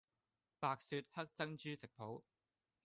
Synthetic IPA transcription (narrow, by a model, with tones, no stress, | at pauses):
paː˨k̚syː˧t̚hɐ˥k̚t͡sɐ˥ŋt͡ʃyː˥sɪ˨k̚pʰo˨˥w